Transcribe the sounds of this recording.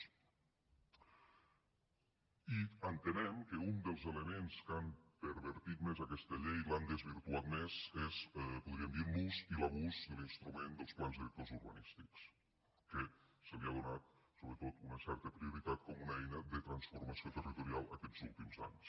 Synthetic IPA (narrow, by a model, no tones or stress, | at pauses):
iənt̪ənɛmkəund̪əlˠzeləmenskampəɾβəɾt̪it̪mezakɛst̪əʎejland̪əzβiɾt̪uat̪mezezpuðɾiəmd̪iɾmuzilaβuzd̪əlinst̪ɾumend̪əlˠsplanzðilək̚t̪ozuɾβə̰nist̪iks | kəsəliaðunat̪̚soβɾət̪ot̪unəsɛɾt̪əpɾiuɾit̪at̪̚kɔmunəɛjnəðət̪ɾənsfuɾməsiot̪ərit̪uɾialˠəkɛd͡zulˠt̪imza̰ɲs